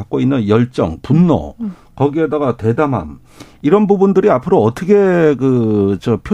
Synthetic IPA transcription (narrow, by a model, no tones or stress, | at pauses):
ak͈oinːɯnjʌɭt͡ɕ͈ʌ̰ŋpunːʌ̰ | kʌɡiɦedaɡatwe̞dama̰m | iɾʌnbubundɯɾiapʰɯɾoːt͈ʰʌkʰe̞kɯt͡ɕʌpʰjo